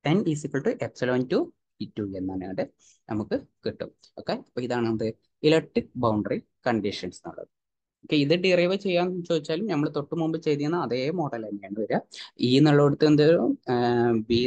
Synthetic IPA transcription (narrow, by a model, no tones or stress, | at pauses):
t̪ɐnisikːɐɭʈuʔebsɐloːntu | pitːuenːaːna̰ːɖɨ | nɐmukːɨkiʈːṵm | okːeipːoːiðaːɳnɐd̪ɨ | ilek̚ʈrik̚bɐwɳɖɐri | kɐɳɖiʂɐnsno̰ɭːɐ̰ðɨ | okːeiðɨɖirɐjʋɐt͡ɕe̞jːaːnt͡ɕo̞ːd̪it͡ɕːaːlumnɐmːɐɭt̪o̞ʈːɨmumbɨt͡ɕejt̪ijɐnːɐɐðeːmo̞ːɽɐlɐnːejaːɳɨʋɐɾaiːnɐɭːɐɽut̪ːend̪e | bi